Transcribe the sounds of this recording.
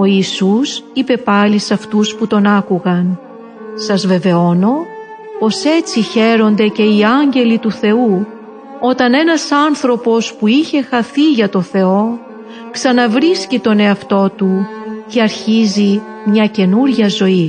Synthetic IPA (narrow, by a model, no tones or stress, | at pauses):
o̞iːsusipe̞pɐlisɐft̪usput̪o̞nɐkuɣɐn | sɐzve̞ve̞o̞no̞ | po̞se̞t͡siçe̞ɾo̞nd̪e̞ce̞iɐɲɟe̞lit̪uθe̞u | o̞t̪ɐne̞nɐsɐnθɾo̞po̞spuiçe̞xɐθiʝɐt̪o̞θe̞o̞ | ksɐnɐvɾiscit̪o̞ne̞ɐft̪o̞t̪uce̞ɐɾçizi | mɲɐce̞nuɾʝɐzo̞i